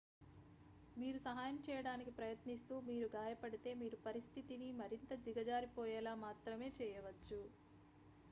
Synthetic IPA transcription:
miːɾusɐɦaːjɐmt͡ʃɛːjɐɽaːnikipɾɐjɐt̪nist̪uːmiːɾuɡaːjɐpɐɽit̪e̞ːmiːɾupɐɾist̪ʰit̪inimɐɾint̪ɐd̪iɡɐd͡ʒaːɾipɔːjɛːlaːmaːt̪ɾɐme̞ːt͡ʃɛːjɐʋɐt͡ʃːu

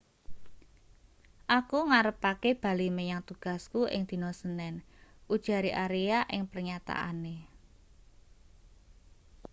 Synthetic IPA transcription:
ʔakuŋaɾəpakeb̥a̤limejaŋt̪uɡ̥a̤skuʔɪ̰ŋd̪̥i̤nɔsənɛnʔud̥ʒ̥a̤ɾiʔaɾejaʔɪŋpərɲat̪a̰ʔa̰ne

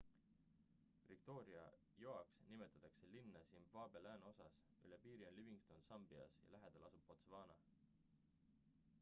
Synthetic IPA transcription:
vikt̪o̞ːɾiɑ̰ | joɑksnimet̪ːˑɑ̥t̪ːˑɑkse̞linːɑsimvɑːbe̞læːno̞sɑs | y̰lepiːɾio̞nliviŋɡst̪ond̪sɑmb̥iɑ̰sjɑ̰læɦed̪̥elʔɑsub̥po̞t̪svɑːnɑ

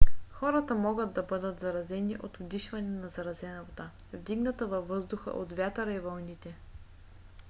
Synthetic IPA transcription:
xɔɾɐt̪ɐmɔɡəd̪d̪ːɐbɤd̪ət̪zɐɾɐzɛniʔot̪ʊd̪iʃvɐnɛnɐzɐɾɐzɛnɐvot̪a | vd̪iɡnɐt̪əvɐvːɤzd̪ʊxə̰ʔot̪vʲjat̪ɾɐivɐlnit̪ɛ

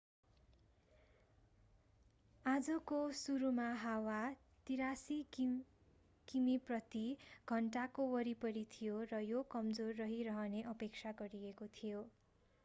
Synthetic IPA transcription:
ad͡zʌkosuɾumaɦawa | t̪iɾasi | kimiprʌt̪iɡʱʌɳʈakowʌɾipʌɾit̪ʰijorʌjokʌmd͡zorːʌɦiɾʌɦʌneʔʌpek̚t͡sʰaɡʌɾiekot̪ʰijo

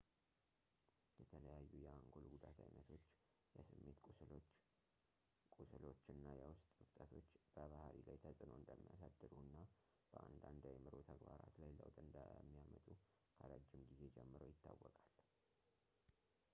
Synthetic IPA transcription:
jɛt̪ʰələjajːujɛaŋɡo̞lɡud̪at̪ʰa̰jnət̪ʰo̞t͡ʃː | jɛsɨmːe̞t̪ | kʼusɨlo̞t͡ʃːɨnːajɛwʊst̪ʼɨft̪ʼət̪ʰo̞t͡ʃːb̥əβahɾilajt̪ʰəsʼɨnoɨnd̪əmːijasad̪ːɨd̪uɨnːa | b̥əʔand̪and̪ajmɨɾot̪ʰəɡbaɾa̰t̪lajləwt̪ʼɨnd̪əmːijamət̪ʼu | kʰaɾad͡ʒːɪmɡize̞d͡ʒɛmːɨɾəwjɪt̪ʰːawːɔkʼal

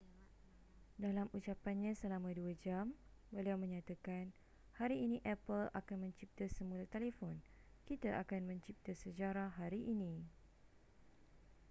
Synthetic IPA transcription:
dalamut͡ʃapanɲãsəlamãduad͡ʒam | bəliawmə̃ɲãt̪akan | haɾiːnĩʔɛpəla̰kanmə̃ɲt͡ʃip̚t̪asəmũlat̪elefɔn | kit̪aʔakanmə̃ɲt͡ʃip̚t̪asəd͡ʒaɾaɦaɾiʔinĩ

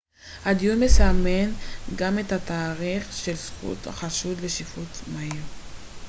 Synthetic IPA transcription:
had̪ijunmesame̞nɡamet̪at̪aːʁiχʃe̞lsχṵt̪ha̰χaʃud̪leʃifut̪maiʁ

